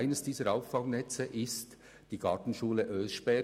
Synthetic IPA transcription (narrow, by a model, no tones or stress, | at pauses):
ɪnəsd̥iːzəɾaʊffɑŋnɛt͡səʔɪst | d̥iːɡɑːtn̩ʃuːləʔøːʃb̥ɛ